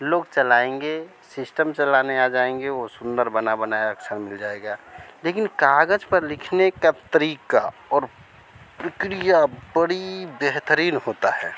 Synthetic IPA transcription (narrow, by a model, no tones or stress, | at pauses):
loːɡt͡ʃəlaːẽŋɡe | sɪsʈəmt͡ʃəlanead͡ʒaːẽŋɡeosʊ̃nd̪əɾbənabənaeəksəɾmɪld͡ʒaːeɡalekɪnkaɡəd͡ʒpəɾlɪkʰnekat̪əɾiːkaɔːɾ | pɾəkɾijabəɽibeɦt̪əɾiːnhoːt̪aɦɛː